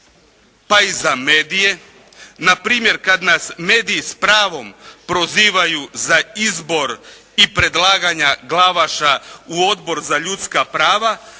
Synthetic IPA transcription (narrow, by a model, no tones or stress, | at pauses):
paizame̞ːd̪ije̞ | napɾiːmjeɾkad̪nasme̞ːd̪iːspɾaːʋo̞mpɾo̞ziːʋajuzaizbo̞ɾ | ipɾe̞d̪lˠaːɡaɲaɡlˠaʋaʃauo̞d̪bo̞ɾzaʎut̪skapɾaːʋa